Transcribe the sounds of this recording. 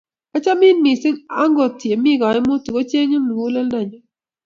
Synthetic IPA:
a˦t͡ʃa˦mɪ˦nmi˨sɪ˦ŋa˦ŋɡo˨tje˨mɪ˦ɡɔ˨ɛ˦mo˦tu˨ko˦t͡ʃe˦ɲo˦mi˨wo˦lɛ˦lda˨ɲɔ˨

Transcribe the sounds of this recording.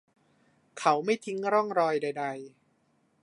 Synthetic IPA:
kʰa˦˥wma˥˩jt̪ʰi˦˥ŋɾɔ˥˩ŋɾɔː˧jda˧jda˧j

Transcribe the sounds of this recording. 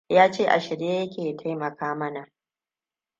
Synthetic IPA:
jaː˦t͡ʃeː˦ʔa˨ʃɪ˨ɽjeː˦jɐ˦kʲeː˨tʰa˦jmɐ˨kaː˦mɐ˦na˨ʔ

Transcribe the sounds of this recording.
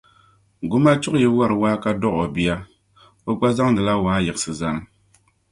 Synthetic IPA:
ɡʊ˦ma˦t͡ʃʊ˦ʔjɛ˦wa˦ɾɨ˨waː˦ka˦dɔ˦ʔo˨bi˦a˦ | o˦ɡ͡ba˦za˦ŋdɨ˨la˦waː˨˦jɛ˨ɨ˨sɨ˨za˦ŋ˦

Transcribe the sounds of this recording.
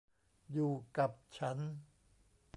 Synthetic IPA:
juː˨˩ka˨˩p̚t͡ɕʰa˦˥n

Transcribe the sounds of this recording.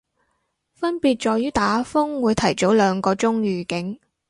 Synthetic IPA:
fɐ˥npiː˨˧t̚t͡ʃɔː˨˧jyː˥t̪aː˨˥fʊ˥ŋwuː˨˧jt̪ʰɐ˨˩jt͡so˨˥wlœː˨˧ŋkɔː˧t͡sʊ˥ŋɥyː˨kɪ˨˥ŋ

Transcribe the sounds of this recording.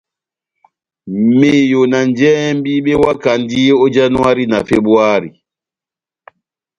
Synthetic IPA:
me˨jo˨na˨nd͡ʒɛ˦m˦bi˦ɓe˦wa˦ka˨ndi˦o˦d͡ʒa˦nu˦a˦ɾi˦na˨fe˦ɓwa˦ɾi˨

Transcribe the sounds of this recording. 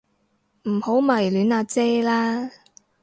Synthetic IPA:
m̩˨˩ho˨˥wmɐ˨˩jlyː˨˥naː˨˧t͡sɛː˥laː˥

